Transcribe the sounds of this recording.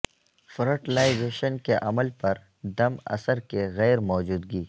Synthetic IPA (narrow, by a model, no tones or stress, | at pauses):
fɾəʈlaːɪzeːʃənkeʔɐməlpɐɾ | d̪ɐmɐ̰səɾkeɣɛːɾmɔːd͡ʒuːd̪ɡiː